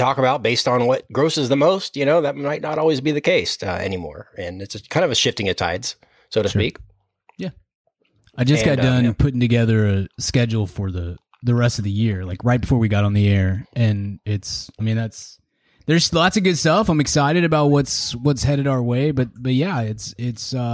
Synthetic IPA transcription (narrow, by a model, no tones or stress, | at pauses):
tʰɔkəbaʊt̚b̥eɪstn̩wʌt̚ɡ̥ɹoʊsɨzðɨmoʊst̚jɨñoʊðɨt̚maɪtⁿnəɾɔlˠwizbiðɨkʰeɪsʌ̰ɛ̰nimɔ̰ɹɨ̃nɨtsɨkʰãɪ̃ndʌvɨʃɪftɪ̃ŋɨtʰa̰ɪdz̥ | soʊɾɨsik | jæ | aɪd͡ʒʌsɡ̥ɑt̚d̥ʌ̃npʰʊɾɪ̃ŋtɨɡɛðə˞ɨskɛd͡ʒl̩ˠfə˞ðɨ | ðɨɹɛstʌvðɨjɪɹlaɪkɹaɪt̚b̥ɨfɔɹwiɡɑɾn̩ðiɛɹɨ̃nɪtsaɪmĩnðæts | ðə˞z̥ðætsɨɡʊd̥stʌfãɪ̃mɨksaɪɾɨɾɨbaʊt̚wʌtswʌtshɛɾɨɾaʊə˞weɪbʌt̚b̥ʌt̚jæɪtsɪtsʌ